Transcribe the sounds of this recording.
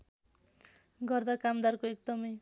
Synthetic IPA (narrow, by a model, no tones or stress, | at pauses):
ɡʌrd̪akamd̪arkoekd̪ʌmʌj